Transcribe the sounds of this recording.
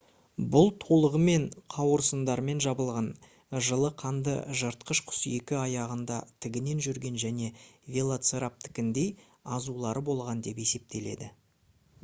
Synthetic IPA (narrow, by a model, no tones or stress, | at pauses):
bʊlˠt̪ʰo̞lˠəʁəme̞ɴqʰɑwəɾsənd̪ɑɾme̞nʒɑbəlˠʁɑn | ʒəlˠəqʰɑnd̪ə̰ʒəɾt̪̚qəʃqʰʊ̥se̞kʲɪɑjɑʁənd̪ɑ̰t̪ʰɪɡʲɪne̞nʒʏɾɡʲe̞nʒæne̞vʲe̞lˠat̪seɾap̚t̪ʰɪ̥kʲɪnd̪e̞j | ɑzulˠɑɾəbo̞lˠʁɑnd̪e̞pe̞se̞p̚t̪e̞le̞̰d̪ɪ